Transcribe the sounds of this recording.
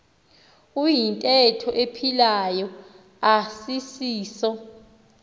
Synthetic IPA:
ujintʼɛtʰɔʔepʰilajɔ | asisiːsɔ

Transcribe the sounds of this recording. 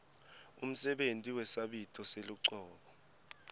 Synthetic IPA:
um̩sɛɓentʼiwɛsaɓitʰʼɔseluǀɔːɓɔ

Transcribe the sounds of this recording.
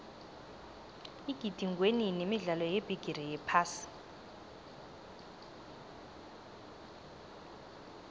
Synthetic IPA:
iɡ̥ʱid̥ʱiŋɡweninemiɮalɔjeb̥ʱiɡ̥ʱirijɛpʰaːsi̥

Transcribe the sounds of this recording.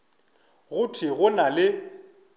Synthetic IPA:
ɣʊtʰɪɣʊnalɪ

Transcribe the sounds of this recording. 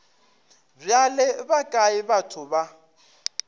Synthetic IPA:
b͡ʐjalɪbakʼaɪbatʰʊba

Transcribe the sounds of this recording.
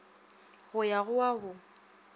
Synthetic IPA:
ɣʊjaɣʊaɣʊ

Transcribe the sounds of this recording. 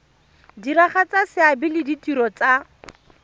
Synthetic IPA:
diɾaχat͡sasɪabɪlɪditiɾɔt͡sa

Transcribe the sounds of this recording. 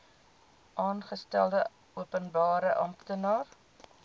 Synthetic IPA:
ʔɑːnχəstælˠdə | uəpənbɑːɾəʔɐmtənɑːr

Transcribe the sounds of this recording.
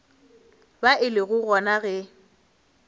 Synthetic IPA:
baʔɪlɪɣʊɣɔnaɣɛ

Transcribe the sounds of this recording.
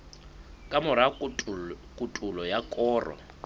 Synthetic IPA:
kʼamʊɾa | kʼutʼulɔjakʼɔːrɔ̰

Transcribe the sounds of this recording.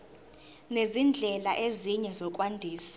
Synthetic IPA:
nezind͡ɮʱɛlaʔeziɲɛzɔk̬ʼwandʱiːsiḁ

